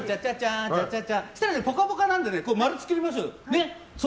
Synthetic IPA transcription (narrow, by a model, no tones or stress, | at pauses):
t͡ɕat͡ɕat͡ɕat͡ɕat͡ɕat͡ɕaɕi̥t̪aɾanepokapokanãnd̪e̞nekoːmaɾɯt͡sɨ̥kɯɾʲimaɕ̬oːne | s